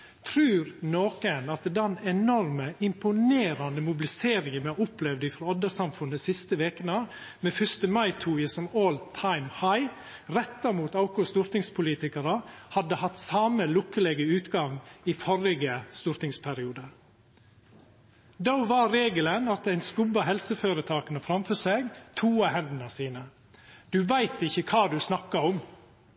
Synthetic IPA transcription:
t̪ʰɾʉːɾnoːkənɑt̪d̪ɛnɛnɔɾməɪmpʊneːɾɑnd̪əmʊbɪlɪseːɾɪŋənɛʊplɛʋd̪ɪfɾɑɔd̪əsɑmfʉnəsɪst̪əʋeːkənə | meːfʏst̪əmɑɪt̪ʰuːjəsɔmoːlt̪ʰɑɪmhɑɪ | ɾɛt̪ːɑɾmuːt̪ɑʊkʊst̪ʊɾt̪ɪŋspʰʊliːt̪ɪkəɾəhɑd̪ːəhɑt̪sɑːməlʊkːəlɛɡəʉːt̪ɡɑŋiːfɔɾɪɡəst̪ʊɾt̪ɪŋspʰæɾɪuːd̪ə | d̪oʊʋɑːɾeːɡələnɑt̪̚d̪æɪnskʉbɑɦɛlsəføːɾət̪ʰɑːkənəfɾɑmfœseːɡt̪ʰuːɑhɛnd̪ənəsiːnə | d̪̥ʉʋæɪt̪ɪçəkʰɑːd̪ʉsnɑkːɑɔm

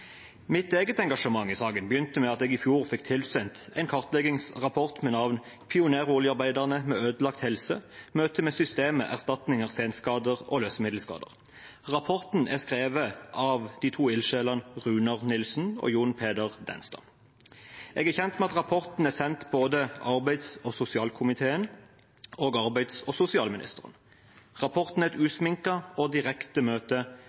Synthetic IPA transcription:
mɪt̪eːɡət̪ɛŋɡɑʂəmɑŋːɪsɑːɡənbəjʏnt̪əmɛɑt̪ɛːɡɪfjuːʁfɪk̚t̪ʰɪlsɛnt̪ɛɪnkʰɑʁt̪lɛɡɪŋsʁɑpʰɔʁt̪mɛnɑʋn | pʰɪʊneːʁuːlɪɑʁbæɪd̪ɑʁnəmɛːøːd̪əlɑk̚t̪hɛlsəmøːt̪əmɛːsʏst̪eːməʔæ̰ʁst̪ɑt̪nɪŋəʁseːnskɑːd̪əʁo̰ːløːsəmɪd̪lskɑ̰ːd̪ə̰ʁ | ʁɑpʰɔʁt̪n̩ʔæʁskʁeːʋəʔɑːʋd̪̥iːt̪ʰuːɪlʃeːlɑnʁʉːnɑʁnɪlsn̩o̰juːnpʰeːd̪əʁd̪ɛ̰nst̪ɑ̰ːn | ʔɛɡæʁçɛnt̪mɛɑt̪ʁɑpʰɔʁt̪n̩æʁsɛnt̪boːd̪əʔɑʁbæɪd̪sɔsʊsɪɑːlkʰʊmɪt̪ʰeːən | oːɡɑʁbæɪd̪sɔsʊsɪɑːlmɪnɪ̰st̪əʁə̰n | ʁɑpʰɔʁt̪n̩ɛt̪ʉːsmɪŋkɑod̪ɪʁɛkt̪əmøːt̪ə

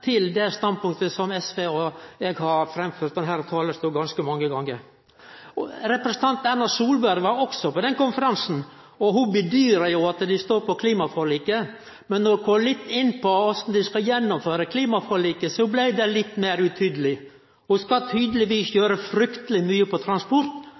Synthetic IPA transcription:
t̪ʰɪld̪ɛst̪ɑnd̪̚pʊŋkt̪əsɔmɛsʋeːɔɛɡhɑɾfɾɛmføːɾt̪̚d̪ɛnɦæːɾɔt̪ʰɑːləst̪uːɡɑnskəmɑŋːəɡɑŋːəɾ | ɔɾɛpɾəsən̩t̪ʰɑnt̪ænɑsuːlbæɾɡʋɑɾɔksɔpɔd̪ɛnkʊnfəɾɑnsn̩ | ɔɦʊbəd̪yːɾəjʊɑt̪d̪ɪst̪oːɾpɔkʰliːmɑfɔliːkə | mɛnːɔdkʰɔlɪt̪ːɪnːpʰɔɔsɔn̩d̪ɪskɑjɛnːɔmføːɾəkʰliːmɑfɔɭiːkəsɔblæɪd̪ɛlɪt̪ːmeːɾʉt̪ʰyːd̪əlɪ | hʊskɑt̪ʰyːd̪əlɪʋiːsjøːɾəfɾʏkt̪əlɪmyːəpɔt̪ʰɾɑnspɔɾt̪

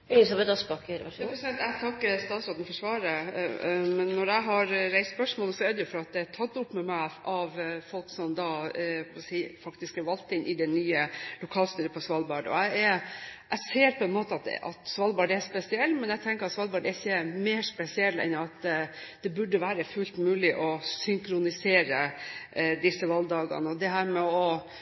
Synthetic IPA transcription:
ɛsɑbɛt̪ɑspɑkəɾpɾɛsɪd̪ɛnt̪æɪt̪ʰɑkːəst̪ɑːt̪sɾɑd̪n̩fɔʂʋɑːɾə | mɛnːɔɾæɪɦɑɾɾæɪst̪spœʂmoːləsɔɛd̪əjʊfɔɾɑt̪̚d̪ɛæʈʰɑt̪ːʊpːmɛmæɪʔɑʋfɔlksɔmd̪ɑːsiːfɑkt̪ɪskɑɾʋɑlt̪əɪnʔɪd̪ɛnːyːəlʊkʰɑːlst̪yːəpʰɔsʋɑlbɑɖɔ̰æɪɛʔæɪseːɾpʰɔɛnmoːt̪əɑt̪ɑ̰t̪sʋɑlbɑɖɛspɛsɪɛlːmɛnæɪt̪ʰɛŋkəɾɑt̪sʋɑlbɑɖɛçːəmeːʂpɛsɪɛlːɛ̰nɑt̪d̪̥ɛbʉɖːəʋæːɾəfʉlt̪mʉːlɪʔɔsʏŋkɾʊnɪseːɾə | d̪ɪsːəʋɑld̪ɑːɡɑ̰nəɔd̪ɛɦæːɾmɛɔ

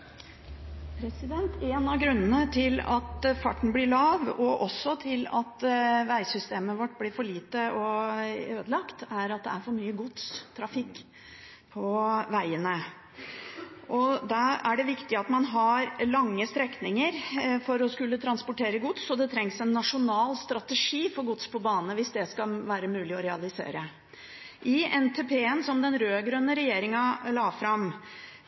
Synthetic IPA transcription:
pʰɾɛsɪd̪ɛnt̪eːnɑɡɾʉnːənət̪ʰɪlɑ̰t̪fɑ̰ʈːɳ̩blɪːɭɑːʋɔʔɔsːɔt̪ʰɪlɑ̰t̪ʋæɪsʏst̪eːməʋɔʈːblɪːɾfɔɭiːt̪əɔøːd̪əlɑkt̪æɾɑt̪̚d̪ɛ̰æɾfɔɾmyːəɡʊt̪st̪ʰɾɑfɪkː | pʰɔʋæɪənə | ʔɔd̪ɑæɖɛʋɪkt̪ɪɑt̪mɑnɦɑɾlɑŋːəst̪ɾɛknɪŋəɾfɔɾɔskʉlːət̪ʰɾɑnspʊʈʰeːɾəɡʊt̪sɔd̪ɛt̪ʰɾɛŋsɛnːɑʂʊnɑːlst̪ɾɑt̪əʂiːfɔɾɡʊt̪spʰɔbɑːnənəʋɪsd̪ɛskɑʋæːɾəmʉːlɪɔɾɛɑlɪsḛːɾə | ʔɪɛnt̪ʰeːpʰeːənsɔmd̪ɛnɾøːɡɾœnːəɾɛjeːɾɪŋɑlɑːfɾɑm

